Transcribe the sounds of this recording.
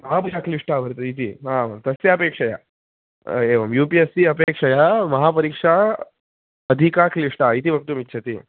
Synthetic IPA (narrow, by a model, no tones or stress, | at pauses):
ɦãpud͡ʑakliʂʈaʋʱəɾt̪əit̪ʰiːɦãmət̪əseəpekʂaja̰ | eʋəmjupiesiəpekʂajaməɦapəɾikʂa | əd̪ʱikakliʂʈait̪ibək̚t̪uːmitːɕʰat̪ḭː